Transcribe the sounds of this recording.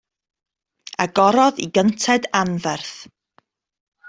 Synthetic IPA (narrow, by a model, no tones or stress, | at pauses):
aɡɔɾɔðḭɡəntʰɛdanvɛrθ